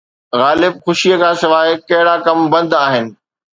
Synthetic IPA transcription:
ɣaːlɪb̚xʊʃijəkʰãːsɪʋaːɦkɐɦɪɽakɐmbɐ̃nd̪aːɦɪnɪ̆

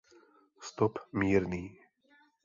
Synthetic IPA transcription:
st̪ɔpmiːɾniː

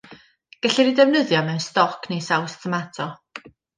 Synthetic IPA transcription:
ɡ̥ɛɬɛɾidɛvnəðjɔmɛwnstɔkʰnejsawstʰəmatʰɔ

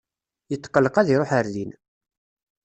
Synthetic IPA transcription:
jət̪ːqːəlːəqæðiɾˤoħəɾðin

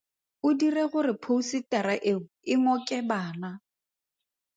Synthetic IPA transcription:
ʊdireɣʊrɪpʰousitʼɛɾaʔeŋ̩ɪŋɔkʼɛbaːna

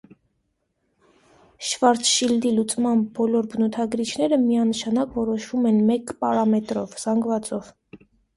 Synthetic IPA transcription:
ʃvɑɾt̪ʃild̪ilut͡sʼmɑnbɔlɔɾbənɔt̪ʰɑɡɾit͡ʃʰnɛɾəmiɑnəʃɑnɑkvɔɾɔʃvumɛnmɛkpɑɾɑmɛt̪ɾɔvz̥ɑŋɡvɑt͡sɔv̥

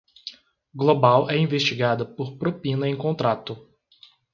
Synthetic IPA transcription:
ɡlobawɛĩvest͡ʃiɡad̪ɐpoɾpɾopĩnɐẽj̃kõnt̪ɾat̪ʊ

